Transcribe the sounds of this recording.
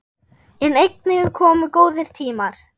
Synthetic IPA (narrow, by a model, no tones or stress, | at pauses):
ɪnejknɪɣʏkʰɔːmʏkoːwðɪɾ̥t̪ʰiːmaɾ̥